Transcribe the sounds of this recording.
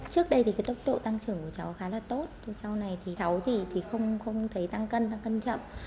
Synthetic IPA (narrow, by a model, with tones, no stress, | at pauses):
t͡ɕɨ˦˥ək̚ɗə˧jt̪i˨˩kaː˨˦ɗə˦˥wk͡p̚ɗo̰˧˨t̪a˧ŋt͡ɕɨ˧˩əŋku˧˩ət͡ɕa˨˦wxaː˨˦laː˨˩t̪o˦˥t̪̚sa˧wna˨˩jt̪ʰi˨˩t̪ʰə˨˦wt̪ʰi˨˩t̪ʰi˨˩xə˧wŋ͡mxə˧wŋ͡mt̪ʰə˨˦jt̪a˧ŋkə˧nt̪a˧ŋkə˧nt͡ɕə̰˧˨m